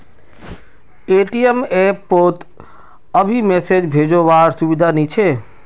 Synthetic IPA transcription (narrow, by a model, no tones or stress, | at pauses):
eʈiemepːot̪ | əbʱimesed͡ʒbʱed͡ʒoʋaɾsubid̪ʱanit͡ʃʰe